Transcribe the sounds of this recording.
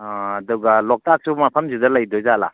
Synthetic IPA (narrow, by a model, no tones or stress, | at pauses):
duɡalɔk̚tak̚sumapʰɐmzudɐlɐjdɔjzala̰